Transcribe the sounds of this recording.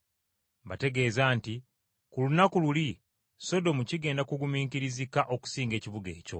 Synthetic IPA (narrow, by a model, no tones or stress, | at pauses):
bate̞ɡe̞ːzaːnti | kulunakululi | so̞do̞muciɡe̞ːndakuɡumiːŋkiɾizikaʔo̞ku̥siːŋɡe̞ːciβuɡe̞ːco̞̰